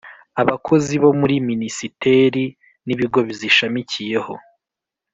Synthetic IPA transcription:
aβakʰo̞ziβo̞muɾiminisite̞ɾi | niβiɡo̞βiziʃamicije̞ho̞̰

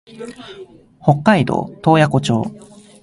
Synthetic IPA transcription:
ho̞kːaid̪o̞̰ːt̪o̞ːjako̞t͡ɕo̞ː

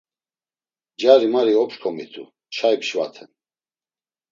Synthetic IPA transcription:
d͡ʒaɾimaɾiɔpʃkʰɔmit̪ʰʼṵ | ʃʰaipʃva̰t̪ʰɛn

